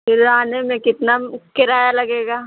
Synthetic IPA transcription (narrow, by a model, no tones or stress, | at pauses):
pɪɾaːnemẽkɪt̪nakɪɾaːjalɐɡeːɡaː